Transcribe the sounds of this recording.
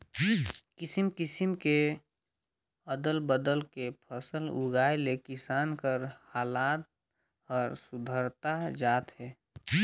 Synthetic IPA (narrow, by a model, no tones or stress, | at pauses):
kɪsimkɪsimke | əd̪əlbəd̪əlkepʰəsəlʊ̰ɡaːelekɪsaːnkəɾhaːlaːt̪̚ | ɔːɾsʊd̪ʱəɾt̪ad͡ʒaːt̪ɦɛː